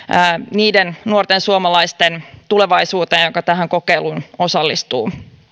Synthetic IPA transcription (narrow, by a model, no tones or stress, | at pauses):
niːdennuort̪ensuomɑlɑist̪ent̪ule̞ʋɑisuːt̪eːnjjokɑt̪æɦæŋko̞keiluno̞sɑlːist̪uː